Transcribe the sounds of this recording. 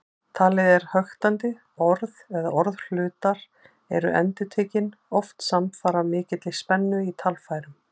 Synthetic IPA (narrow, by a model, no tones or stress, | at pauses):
t̪ʰaːlɪðɛɾ̥hœxt̪ant̪ɪ | ɔɾðɛɣðaɔɾðl̥ʏːt̪aɾ | ɛ̰ɾʏ̰ʔɛ̰nt̪ɪʏt̪ʰeːcɪnɔft̪samfaːɾamɪːcɪt̪lɪspɛnːʏit̪ʰalfaːjɾʏm